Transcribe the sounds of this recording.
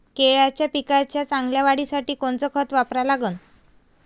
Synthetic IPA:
keɭat͡ɕjapikat͡ɕjat͡saŋɡljaʋaɽiːsaʈiːkont͡sɔkʰət̪ʋapɾalaɡəːn

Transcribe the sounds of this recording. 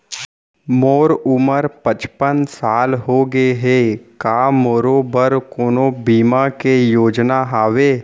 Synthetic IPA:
moːɾʊməɾpət͡ʃpənsaːlɦoːɡeɦeːkaːmoːɾoːbəɾkoːnobiːmakejoːd͡ʒnaɦaːʋeː

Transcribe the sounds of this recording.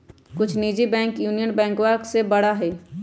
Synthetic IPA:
kʊt͡ʃʰniːd͡ʒibɛ̃ːŋkjuːnijənbɛ̃ːŋkwaːksebɐɽaɦɛː

